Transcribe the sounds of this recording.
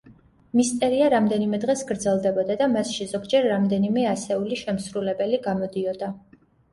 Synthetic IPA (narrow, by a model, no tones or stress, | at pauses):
mist̪ʼɛɾiaɾamd̪ɛnimɛd̪ʁɛsɡɾd̪zɛlˠd̪ɛbɔd̪ad̪amasʃizɔɡd͡ʒɛɾːamd̪ɛnimɛasɛuliʃɛmsɾulɛbɛliɡamɔd̪iɔd̪a